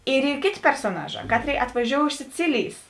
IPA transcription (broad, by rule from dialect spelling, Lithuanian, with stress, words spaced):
ɪr ˈiː ˈkʲeːˌtʲeː pʲɛrsoːˈnɑːˌʒɑː ˈkɑːtʲˌrʲeːɪ ɐtʋɐˈʒʲoːʊ ɪʃ sʲɪˈt͡sʲɪlʲɪjs